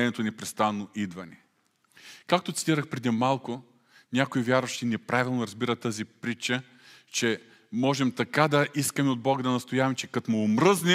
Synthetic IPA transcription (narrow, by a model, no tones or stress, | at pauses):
ɛnʲɛt̪onɛpɾɛst̪anːoʔid̪vɐnʲɛ | kak̚t̪ot̪i̥t̪iɾəxpɾɛd̪imalˠkʊ | nʲjakoivʲjaɾvɐʃt̪inɛpɾavʲilˠnʊɾɐzbiɾət̪ːəzipɾit͡ʃə | t͡ʃɛ | mɔʒɛmt̪ɐkad̪ɐʔiskəmɛod̪̚bɔɡəd̪ɐnɐst̪ojavɐmt͡ʃɛkat̪omoːmɾɤznɛ